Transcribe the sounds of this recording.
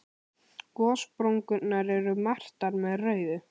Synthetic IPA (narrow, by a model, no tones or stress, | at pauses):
kɔːspɾowŋkʏnːaɾɛɾʏmar̥t̪aɾmɛðrœːɥðʏ